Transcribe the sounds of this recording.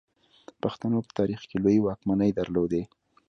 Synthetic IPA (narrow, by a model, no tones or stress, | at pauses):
paxt̪anopə̥t̪ɑɾixkelojwɑkmanəjd̪aɾlod̪e